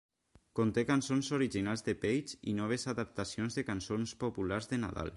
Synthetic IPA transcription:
kont̪ekansonzoɾiʒinalzðepejt͡ʃḭnɔβ̞ezaðap̚t̪asionzðekansonspopulaɾzðena̰ða̰l

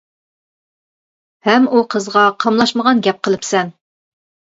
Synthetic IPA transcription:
hɛmuqʰəzʁɑqʰɑmlˠɑʃməʁɑnɡʲɛp̚qʰəlˠɨpsɛn

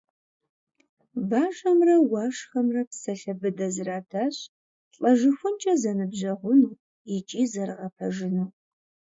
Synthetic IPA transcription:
baːʒɐmrɐwɑːʂxɐmrɐpsɐɬɐbɨdɐzɨraːtʰaːɕ | ɬʼɐʒɨxʷʊnt͡ʃʼɐzɐnɨbʑɐʁʷʊnuː | ɪt͡ʃʼiːzɐrʁɐpʰɐʒɪnuː

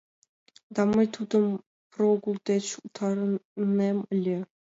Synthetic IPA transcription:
d̪ɑmɤjt̪ʰud̪ɤm | proɡulˠd̪ʲet͡ɕut̪ʰɑɾəneməlʲe

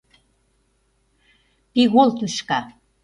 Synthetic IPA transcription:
piɣolt̪uʃkɑ

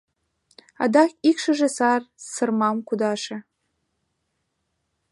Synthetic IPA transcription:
ɑ̰d̪ɑxikʃəʒĕsɑrsə̆rmɑmkud̪ɑʃĕ

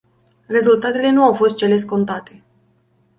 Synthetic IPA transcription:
re̞zult̪at̪e̞le̞nuawfo̞st̪̚t͡ʃe̞le̞s̬ko̞nt̪at̪e̞

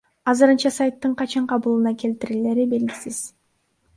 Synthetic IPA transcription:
ɑzɯɾɯnt͡ʃɑsajt̪ːɯɴqɑt͡ʃɑɴqʰɑβɯlˠɯnɑke̞lt̪iɾile̞ɾibe̞lɡʲisiz̥

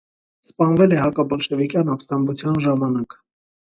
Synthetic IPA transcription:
spɑnvɛlɛhɑkɑbɔlʃɛvikjɑnɑpst̪ɑnvut͡sʰjɑnʒɑmɑnɑk

